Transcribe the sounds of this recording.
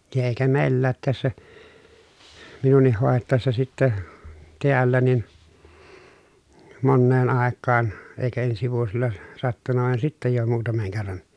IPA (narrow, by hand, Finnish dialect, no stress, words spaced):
jɑ eˑikæ meˑilːæːt tæsːæ minunˑih hoˑetːɑˑesːɑ sitːæ teælːæ nin monːeːn ɑˑekːɑːn eˑikæ ensi ʋuosilːɑ sɑtːunːɑ ʋɑˑen sitːæ jo muːtɑmeŋ kerːɑn